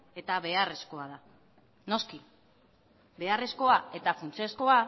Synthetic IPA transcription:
e̞t̪aβe̞are̞sko̞aða | no̞ski | be̞are̞sko̞ae̞t̪afunt͡siesko̞a

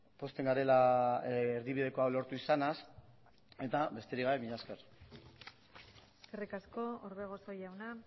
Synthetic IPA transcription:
po̞st̪e̞ŋɡaɾe̞la | eɾðiβið̞e̞ko̞awlo̞ɾt̪uisanas | e̞t̪abe̞st̪e̞ɾiɣaβemiʎaske̞ɾ | eskerikasko̞oɾβeɣ̞osojawna

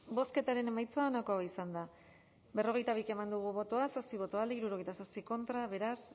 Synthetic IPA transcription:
bo̞ske̞t̪aɾe̞ne̞majt͡soaonako̞aeisand̪a | be̞ro̞ɣ̞e̞jt̪aβ̞ike̞mand̪uɣ̞uβo̞t̪o̞asospiβ̞o̞t̪oald̪eiɾuɾoe̞jt̪asospiko̞nt̪ɾaβe̞ɾas

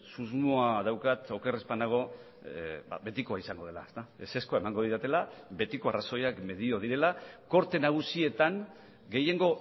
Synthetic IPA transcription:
suzmoaðawkat̪o̞ke̞respanaɣ̞o̞ | ba̰βe̞t̪ikoaisaŋɡo̞ðe̞laest̪aese̞skoae̞maŋɡo̞ðiɾat̪e̞labe̞t̪iko̞araso̞jakme̞ðio̞ð̞iɾe̞lako̞ɾt̪e̞naɣ̞usie̞t̪aŋ | ɡe̞je̞ŋɡo̞

